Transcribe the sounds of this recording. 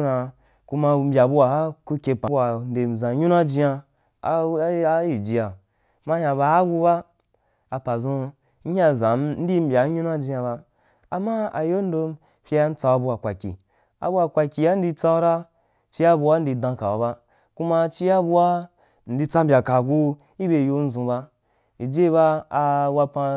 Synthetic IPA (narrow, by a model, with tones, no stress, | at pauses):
na˧ | ku˦ma˧m̩˦bʲa˨bu˧wa˧a˦ku˧kʲe˧pa˨˧a˧n̩˦de˨zã˨˦ɲu˦na˦d͡ʒi˧ja˧ | a˨˦a˦ji˨d͡ʒi˧ja˨ | ma˦hã˧ba˧˦ɡu˧ba˦ | a˨pa˨zõ˧ | n̩˦ɲa˦˨zã˨˦n̩˦di˦m̩˦bʲa˨˦ɲũ˦na˦d͡ʒĩ˧ja˧βa˧ | a˨ma˦a̰˨jo˦n̩˦do˧m | fʲi˧ja˦n̩˦t͡sa˧wa˧bu˧a˨kʷa˨kʲḭ˨ | a̰˨bu˧˦a˨˧kʷa˧kʲi˨ja˦n̩˦di˧t͡sa˧˦ɾa˦ | t͡ʃi˦ja˦bu˧wa˦n̩˦di˧dã˧ka˨wa˨ba˦ | ku˦ma˧t͡ʃi˦ja˦bu˧wa˦ | n̩˨˦di˧t͡sa˦m˦bʲa˨ka˨ɡu˧ | i˦be˧˨jo˧n̩˦zũ˧ba˧ | i˨d͡ʒe˦˧βa˧a˧wa˧pã˧